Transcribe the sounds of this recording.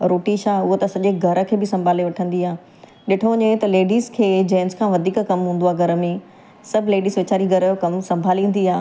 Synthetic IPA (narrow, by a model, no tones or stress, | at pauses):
ɾoːʈiʃaːʊɦot̪ɐsɐʄeɡʱɐɾə̆kʰeːbɪsɐ̃mbʱaːleʋɐʈʰə̃nd̪iaː | ɗɪʈʰoɲet̪ɐleːɖiːzkʰeːd͡ʑɐ̃ːɪnzkʰãːʋɐd̪ʱiːkkɐmɦũːn̆d̪oaːɡʱɐɾəmẽ | sɐbʱɪleːɖiːzʋet͡ɕaːɾiɡʱɐɾəjokɐmsɐ̃mbʱaːliũnd̪iaː